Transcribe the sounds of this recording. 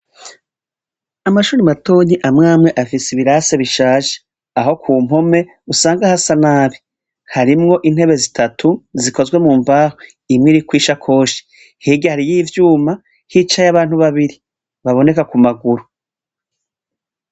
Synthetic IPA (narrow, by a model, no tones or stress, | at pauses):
amaʃuːɾimato̞ɲiʔamŋaːmŋe̞ʔafisiβiɾaːse̞βiʃaːʒe̥ | aɦo̞kʰuːm̥ho̞me̞ | usaːŋɡahasanaːβi | haɾimŋo̞ʔin̥he̞βe̞zitʰatʰuziko̞zɡwe̞muːɱvaːho | imŋiɾikwiːʃakʰo̞ːʃe̥ | hiːɡahaɾijiːvjuːma | hit͡ʃajaβaːn̥huβaβiɾi | βaβo̞ne̞kakumaɡuɾu